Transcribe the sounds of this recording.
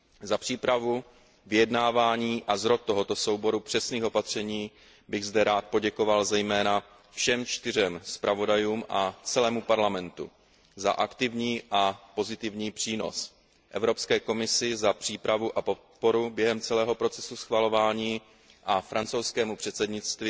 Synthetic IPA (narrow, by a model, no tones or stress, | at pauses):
zapr̥iːpɾavu | vɪjɛdnaːvaːɲiːʔazɾo̞t̪̚ːo̞ɦo̞t̪o̞so̞wbo̞ɾupr̝̥ɛsniːxo̞pat̪r̝̥ɛɲiː | bɪɣzdɛɾaːt̪̚po̞ɟɛko̞valzɛjmɛːna | fʃɛmt͡ʃt̪ɪrɛmspɾʔavo̞dajuːmʔat͡sɛlɛːmupaɾlamɛnt̪ṵ | za̰ʔakt̪ɪvɲiːʔapo̞zɪt̪ɪvɲiːpr̝̥iːno̞̰s | ʔɛvɾo̞pskɛːko̞mɪsɪzapr̝̥iːpɾavuʔapo̞t̪̚po̞ɾubjɛɦɛmt͡sɛlɛːɦo̞pɾo̞t͡sɛsusxvalo̞vaːɲiː | ʔafɾant͡so̞wskɛːmupr̝̥ɛt̪sɛdɲɪt͡st̪vi